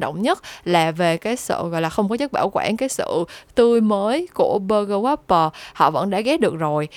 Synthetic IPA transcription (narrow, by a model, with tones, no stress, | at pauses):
ɗo̰˧˨wŋ͡mɲə˦˥t̚laː˨˩ve˨˩kaː˨˦jsɨ̰˧˨ɣɔ̰˧˨jlaː˨˩xə˧wŋ͡mkɔ˨˦zə˦˥t̚ɓaː˧˩wkwaː˧˩nkaː˨˦jsɨ̰˧˨t̪ɨ˧əjməː˨˦jku˧˩əɓəː˧ɣəː˧wa˦˥pːəː˧hɔ̰˧˨və̰˧˥nɗa̰ː˧˥ɣɛ˨˦˥ɗɨ˨˩ək̚zo˨˩j